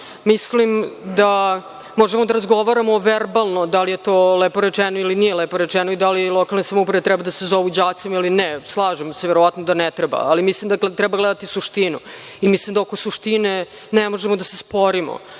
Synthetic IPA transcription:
mislimd̪a | moʒemod̪aɾazɡoʋaɾamoʋeɾbalˠnod̪alijet̪olepoɾet͡ʃɛnoilinijelepoɾet͡ʃɛnoid̪alilˠokalˠnesamupɾeʋet̪ɾɛbad̪asezoʋud͡ʑaːt̪similineslˠaːʒemseʋeɾoʋat̪nod̪anɛt̪ɾeba̰alimislimd̪at̪ɾɛbaɡlɛd̪at̪isuʃt̪inṵ | imislimd̪aokosuʃt̪ine | nemoʒemod̪asespoɾimo̰

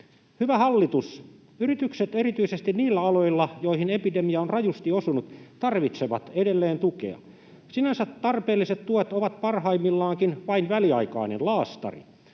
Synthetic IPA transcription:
hyʋæhɑlːit̪us | yrit̪ykset̪e̞ɾit̪yisest̪inniːlːæɑlo̞ilːɑjoihinepidemiɑonrɑjust̪iosunut̪t̪ɑrʋit̪seʋɑ̰t̪edelːeːnt̪ukḛɑ̰ | sinænsæt̪ːɑrpeːlːiset̪t̪uet̪oʋɑt̪pɑrɦɑimːilːɑːŋkinʋɑinʋæliɑikɑ̰ˑinḛnlɑːst̪ɑ̰rḭ

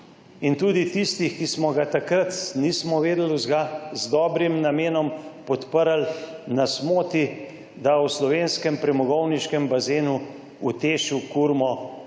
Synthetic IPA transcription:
int̪uːd̪it̪ist̪ixkismɔɡat̪akɾat̪niːsmɔʋeːd̪luzɡazd̪ɔːbɾimnameːnɔmpɔt̪pəɾalnasmoːt̪i | d̪awslɔʋeːnskɛmpɾɛmɔɡɔwniʃkɛmbazeːnu | ut̪eːʃukuɾmɔ

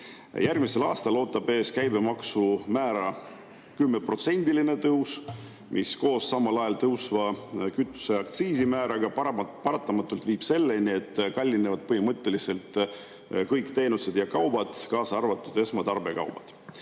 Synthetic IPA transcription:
jærɡ̥mise̞lɑːst̪ɑlo̞ːt̪ːˑɑb̥e̞ːskæjbe̞mɑksumæːɾɑ | kymːepro̞t̪se̞nʲd̪̥iline̞t̪ɤws | mʔisko̞ːsːɑmːɑlɑjɑlt̪ɤwsvɑkyt̪ˑːu̥se̞ɑkt̪siːsimæːɾɑɡ̥ɑppɑɾɑt̪ːˑɑmɑt̪ːˑult̪viːb̥se̞lːenʲie̞t̪ːkɑlʲːinevɑd̪̚pɤhimɤt̪ˑːe̞lise̞lt̪ | kɤjkt̪e̞ːnuse̞d̪̥jɑkɑwbɑd̪̥kɑːsɑɑrvɑt̪ːˑud̪̥e̞smɑt̪ɑrbe̞kɑ̰wb̥ɑ̰d̪̥

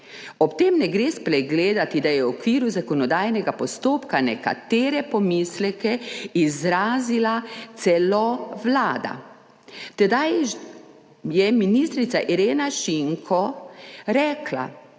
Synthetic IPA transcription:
ɔpt̪eːmnɛɡɾeːspɾɛɡleːd̪at̪id̪ajɛwɔkʋiːɾuzakɔnɔd̪aːjnɛɡapɔst̪oːpkanɛka̰t̪eːɾɛpɔmislɛkɛizɾaːzilat̪sɛlɔʋlaːd̪a̰ | t̪ɛd̪aj | jɛminist̪ɾit̪saʔiɾeːnaʃiŋkʰɔɾɛːkla̰

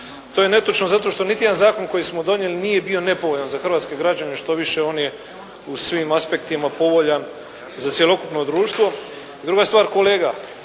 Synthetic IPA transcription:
t̪ojene̞t̪ot͡ʃnozat̪o̞ʃt̪o̞nit̪ije̞d̪anzaːko̞nko̞jismo̞d̪o̞ɲje̞linije̞bio̞ne̞po̞ʋoʎanzaxr̩ʋaːt̪ske̞ɡɾad͡ʑaneʃt̪o̞ʋiʃe̞o̞ːnje̞ | usʋimaspe̞kt̪imapo̞ʋo̞ʎan | zat̪sje̞lo̞kupno̞d̪ɾuːʃt̪ʋo̞ | id̪ɾuɡast̪ʋaːɾko̞le̞ːɡa

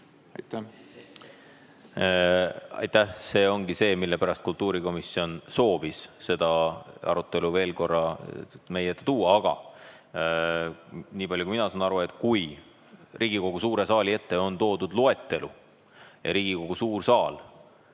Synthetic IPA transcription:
jt̪ | ɑ̰jt̪ːæhse̞ːo̞ŋɡise̞ːmilːe̞pæɾɑst̪̚kult̪ːˑuːɾiko̞misio̞nso̞ːvisse̞d̪̥ɑɑ̰ɾut̪ːˑe̞luve̞ːlko̞rːɑme̞jeet̪ˑːet̪uːɑɑɡ̥ɑ̰ | niːpɑlʲjukuiminɑsɑːnɑɾue̞t̪ˑkuj | rʔiːɡ̥iko̞ɡ̥usuːɾe̞sɑːlie̞t̪ːe̞o̞nt̪o̞ːd̪ud̪lue̞t̪ːe̞lṵ | jɑ̰ɾiːɡ̥iko̞ɡ̥usuːrsɑːl

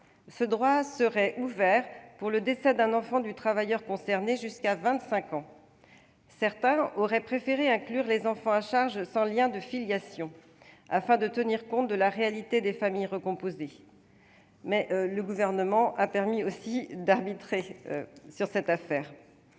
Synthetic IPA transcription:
səd̪ʁwasəʁɛʔuvɛʁpuʁləd̪esɛd̪ɛ̃nɑ̃fɑ̃d̪yt̪χavajœʁkɔ̃sɛʁneʒyskavɛ̃t̪sɛ̃kɑ̃ | sɛʁt̪ɛ̃ɔʁɛpχefeʁeɛ̃klyʁlezɑ̃fɑ̃aʃaʁʒsɑ̃ljɛ̃d̪əfiljasjɔ̃ | a̰fɛ̃d̪ət̪əniʁkɔ̃t̪̚d̪əlaʁealit̪ed̪efamijʁəkɔ̃poze | mɛʔləɡuvɛʁnəmɑ̃ʔapɛʁmiosid̪aʁbit̪χesyʁsɛt̪afɛːʁ

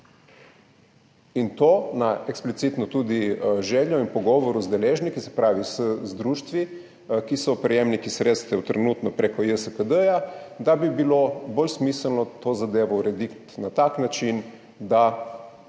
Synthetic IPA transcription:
int̪oːnaʔeksplit̪sit̪nɔt̪uːd̪iʒɛːljɔinpɔɡɔʋɔɾuzd̪ɛleːʒnikisɛ̥pɾaːʋisəzd̪ɾuːʃt̪ʋi | kisɔpɾɛjemnikisɾeːt̪st̪ɛwt̪ɾɛnut̪nɔpɾekɔjəsəkəd̪əjad̪abibilobolsmisəlnɔt̪oːzad̪eːʋɔuɾɛd̪ikt̪nat̪aknat͡ʃin | d̪a

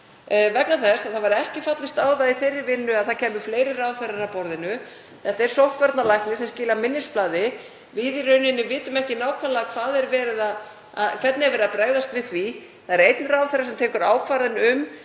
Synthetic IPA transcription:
vɛknaθɛsaθavaɾɛhcɪfat̪lɪst̪aːwðaiθejrːɪvɪnːʏaðθacʰɛːmʏ̥fleːjɾɪraːwθeɾaɾapɔɾðɪnʏ | θɛht̪aɛɾ̥sowht̪vɛɾt̪nalajhknɪsɛmscɪːlamɪnːɪsplaːðɪ | vɪðiɾœɥnɪnːʏvɪːt̪ʏmɛhcɪnaːwkʰvalaakʰv̥aːðɛɾvɛːɾɪða | aðkʰv̥ɛt̪nɪɛɾvɛɾɪðapɾaːɣðast̪vɪðθvi | θaðɛɾejt̪̚nɪraːwθœɾasɛmt̪ʰɛːkʏɾaːwkʰvaɾðɪnʏm

